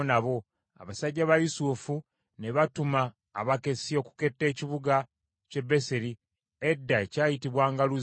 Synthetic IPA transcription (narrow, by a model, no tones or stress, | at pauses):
naβo̞ | a̰βasaɟːaβajusufu | ne̞βatuma̰ː | βake̞sio̞ku̥ke̞tːe̞ːciβuɡa | ce̞bːe̞seɾi | edːaecaːjitiβwaːŋɡaluz